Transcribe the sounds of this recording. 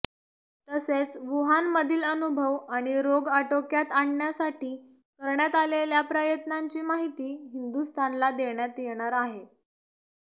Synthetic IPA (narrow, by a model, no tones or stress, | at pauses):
t̪əset͡sʋuɦanməd̪ʱiːlənubʱəʋaɽ̃iɾoɡəʈokjat̪aɳɳjasaʈiː | kəɾɳjat̪aleljapɾəjət̪naɲt͡ɕiːmaɦit̪iːɦind̪ust̪ʰanlad̪eɳjat̪jeɽ̃aɾaɦe